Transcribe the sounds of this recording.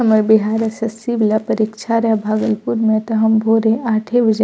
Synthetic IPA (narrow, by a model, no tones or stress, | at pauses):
ɐməɾbɪɦaːɾɐsɐsiblapɐɾikʃʰaɾɐɦbʱaːɡəlpuɾmẽt̪oɦɐmbʱoːɾẽʔaːʈʰeʋɐd͡ʒ